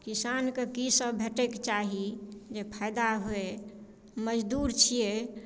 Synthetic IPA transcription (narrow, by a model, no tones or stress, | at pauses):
kisankekisəbbʱeʈekt͡ʃaɦid͡ʒepʰaɪd̪aɦoe | məd͡ʒd̪uɾt͡ʃʰije